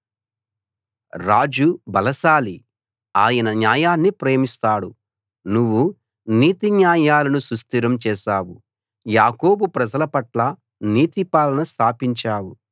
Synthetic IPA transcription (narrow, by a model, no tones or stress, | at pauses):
ɾaːd͡ʒubɐlɐʃaːli | aːjɐnɐnjaːjaːnːipɾeːmist̪aːɽṵ | nuʋːu | niːt̪injaːjaːlɐnusust̪iɾɐmt͡ʃɛːʃaːwu | jaːko̞ːbupɾɐd͡ʒɐlɐpɐʈlɐ | niːt̪ipaːlɐnɐst̪ʰaːpiɲt͡ʃaːwu